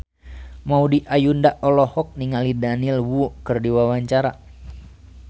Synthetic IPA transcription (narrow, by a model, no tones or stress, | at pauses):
maudiʔajundaʔɔlɔhɔk̚niŋalidanilwukɨrdiwawaɲt͡ʃaɾa